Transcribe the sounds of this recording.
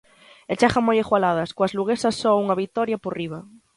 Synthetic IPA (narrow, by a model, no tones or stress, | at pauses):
et͡ʃaxamojexwalað̞askoazluɣ̞esasːɔuŋaβik̚t̪ɔɾjaporiβ̞a